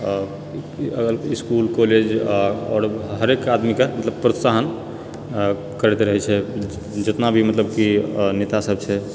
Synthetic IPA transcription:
əɡəliskulkoled͡ʒɔɾɦəɾekad̪mikemət̪ləbpɾət̪saɦən | kəɾɛt̪ɾəɦɛt͡ʃʰɛ | d͡ʒət̪nabʱimət̪ləbkinet̪asəbt͡ʃʰɛ

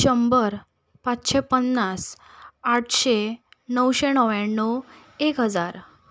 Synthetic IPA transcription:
ɕəmbəɾ | pat͡sɕepənːas | aʈʰɕenəwɕenəʋjaɳːo | ekɦəd͡zaɾ

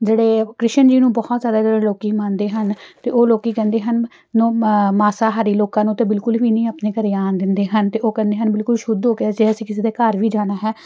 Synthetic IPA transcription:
d͡ʒeːɽeːkɾɪʃənd͡ʒiːnũːbɔːɔt̪zjaːd̪aːd͡ʒeːɽeːloːkiːmaːnd̪eːɦənt̪eːoːloːkiːkɛ̃ːnd̪eːɦənː | õːmaːsaːɦaːɾiːloːkãːnũːt̪eːbɪlkʊlʋiːnĩːəpneːkəɾeːaːnd̪ɪnd̪eːɦənt̪eːoːkɛ̃ːnd̪eːɦənbɪlkʊlʃʊd̪ɦoːkead͡ʒeːəsĩːkɪseːd̪aːkəɾʋiːd͡ʒaːnaːɦɛː

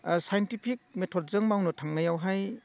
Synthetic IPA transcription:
sajentipʰik̚metʰɔt̚zɯŋmawnɔtʰaŋnajawɦaj

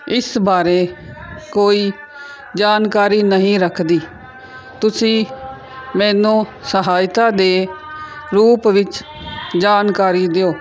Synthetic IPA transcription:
ɪsbaːɾeː | koːiː | d͡ʒaːnkaːɾiːnəɦĩːɾəkʰd̪iː | t̪ʊsĩː | mɛ̃ːnũːsəɦaːjt̪aːd̪eː | ɾuːpʋɪt͡ʃ | d͡ʒaːnkaːɾiːd̪eoː

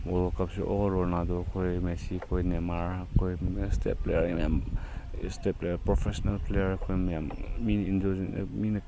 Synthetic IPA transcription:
ɔlɔkapsiʔɔ̰ɔɾɔɾnadɔkʰojmesikʰojnemaɾakʰojstḛplḛjaɾimjam | steplejaɾpɾɔpʰesɔnalplejaɾkʰojmjamːinindɔzin̰min

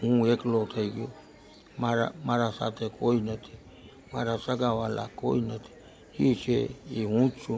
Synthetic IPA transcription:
ũeklot̪ʰaiɡi | maɾa̰maɾasa̰t̪ekʰoinat̪ʰi̥ | maɾasaɡawala̰koinat̪ʰi̥ | hit͡ʃeiũt͡ʃu

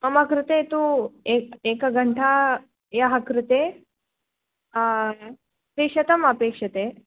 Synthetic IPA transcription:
mɐmɐkɾɪt̪eːt̪ueeːkɐɡʱɐɳʈʰa | jaɦɐkɾɪt̪eː | sɾiʂɐt̪ɐmɐpeːkʂɐt̪eː

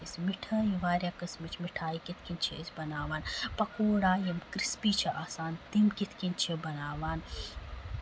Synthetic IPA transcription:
ismiʈʰɐːjiʋaːɾjakɐsmit͡ʃʰmiʈʰaːikit̪ʰkint͡ʃʰeisʲbɐnaːʋaːnpɐkoːɽaːjɐmkɾispiːt͡ʃʰɐʔaːsaːnt̪imkit̪ʰkint͡ʃʰebɐnaːʋaːn

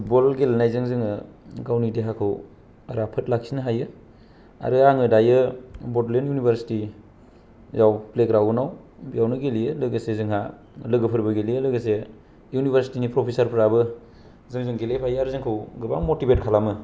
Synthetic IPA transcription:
put̚bolɡelnajzɯŋzɯŋɯɡawnideɦakʰɯw | aɾapʰɯt̚laksinɯɦajɯ | a̰ɾɯaŋɯdajɯbɔtlenjunibʰʱaɾsi̥ti | zawplekɾawɯnaw | bijawnɯɡeliɯlɯɡəsezɯŋɦa | lɯɡɯpʰɯɾbɯɡelijɯlɯɡəse | junibʰʱaɾsi̥tinipɾopʰesaɾpʰɾabɯ | zɯŋzɯŋɡelejpʰajaɾɯzɯŋkʰɯwɡɯba̰ŋmotibet̚kʰalamɯ

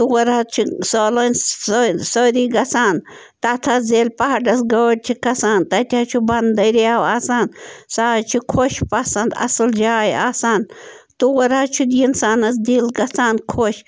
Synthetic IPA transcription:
t̪uwɐɾat͡ʃʰusoːlɐnʲ | soːɾiɡɐsaːn | t̪at̪ʰazeːlpɐɦɐɖɐsɡɐwɽʲt͡ʃʰikɐsaːnt̪ɐt̪ʲaːt͡ʃʰubɐnd̪ɐɾijaːwaːsaːnsaːt͡ʃʰukʰoʃpɐsɐnd̪ɐ̰sɨld͡ʒaːjaːsaːnt̪uwɐɾaːt͡ʃʰud̪jinsaːnɐs̬d̪ilɡɐsaːnkʰoʃ

